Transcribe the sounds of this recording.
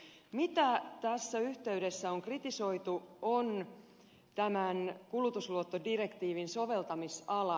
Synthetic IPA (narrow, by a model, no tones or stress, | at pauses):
mit̪æt̪æsːæyht̪e̞yɥde̞sːæo̞ŋkrit̪iso̞jt̪uon | t̪æmænkulut̪usluot̪ːodire̞kt̪iːʋinso̞ʋe̞lt̪ɑmisɑlɑ